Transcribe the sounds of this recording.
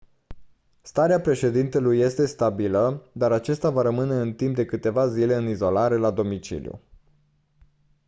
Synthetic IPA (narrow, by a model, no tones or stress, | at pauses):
st̪aɾeapɾe̞ʃe̞d̪int̪e̞lujːe̞st̪e̞st̪abiləd̪aɾat͡ʃest̪avaɾəmɨne̞ɨnt̪imp̚d̪e̞kɨt̪e̞vazile̞ɨnizo̞laɾe̞lad̪o̞mit͡ʃḭlijṵ